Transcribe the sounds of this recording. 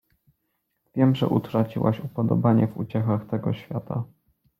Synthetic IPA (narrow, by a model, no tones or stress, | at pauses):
vʲjɛmʐɛ̰ʔut̪ɾat͡ɕiwaɕupɔd̪ɔ̰baɲɛvṵt͡ɕɛxaxt̪ɛɡɔɕfʲja̰t̪a̰